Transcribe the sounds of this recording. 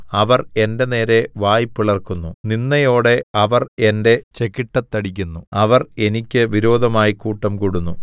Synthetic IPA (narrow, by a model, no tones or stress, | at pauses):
ɐʋɐre̞nde̞ne̞ːɾe̞ʋaːjipːiɭɐrkunːuninːɐjo̞ːɽe̞ɐʋɐre̞nde̞t͡ɕe̞kiʈːɐt̪ːɐɽik̬ʲːunːuɐʋɐre̞nikʲːɨʋiɾo̞ːd̪ʱɐmaːjikuːʈːɐmkuɽunːu